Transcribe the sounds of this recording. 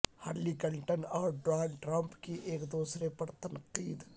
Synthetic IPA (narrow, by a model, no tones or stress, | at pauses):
ha̰ːɾlikəlʈənɔːɾɖɾaːɖʈɾɐ̃mpkiʔeːkd̪uːsɾepɐɾt̪ɐnqiːd̪